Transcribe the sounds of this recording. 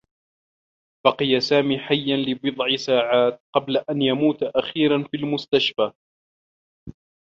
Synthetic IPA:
b̥ɑqɨjasaːmiːħajːanlɪbɨd̪ˤʕɪsaːʕaːt̪̚qɑblaʔanjamuːt̪ʔaxiːɾanfilmʊst̪aʃfaː

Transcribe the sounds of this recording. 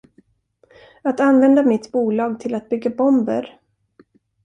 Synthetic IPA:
at̪anvɛnd̪amɪt̪buːlɑːɡt̪ʰɪlat̪̚bʏɡːabɔmbə̰ɾ

